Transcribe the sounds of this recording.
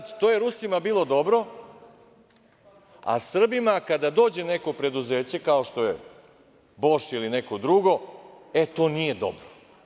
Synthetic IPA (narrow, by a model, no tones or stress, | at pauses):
t̪t̪o̞ːjeɾusimabiːlˠo̞d̪o̞bɾo̞ | a̰sr̩bimakad̪ad̪o̞ːd͡ʑe̞ne̞ko̞pɾe̞d̪uze̞ːt͡ɕe̞kao̞ʃt̪o̞je | bo̞ʃilineko̞d̪ɾuɡo̞ | et̪o̞ːnije̞d̪o̞̰bɾo̥